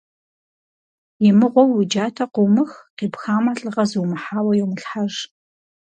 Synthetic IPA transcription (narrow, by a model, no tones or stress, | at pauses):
jɪmɨʁʷɔwɪd͡ʒaːtʰɐqʷʊmɨxqiːpxaːmaɬʼɨʁɐzɨwmɨħaːwɐjɛwmɨɬħaʒ